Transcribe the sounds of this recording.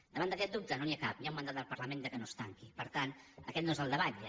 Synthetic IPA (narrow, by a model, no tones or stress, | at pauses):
d̪əβand̪əkɛt̪̚d̪up̚t̪ənoniakap̚niaumənd̪at̪d̪əlˠpəɾləmẽnd̪əkənost̪aŋkipəɾt̪anəkɛt̪̚noezəlˠd̪əβat̪